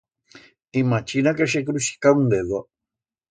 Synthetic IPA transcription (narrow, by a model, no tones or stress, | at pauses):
imãt͡ʃinakaʃ̬ekɾuʃi̥kawnd̪eðo